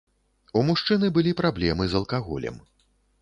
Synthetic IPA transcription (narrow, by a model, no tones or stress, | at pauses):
umuʂt͡ʂɨnɨbɨlʲipɾablʲɛmɨzɐlˠkaɣɔ̰lʲɛ̰m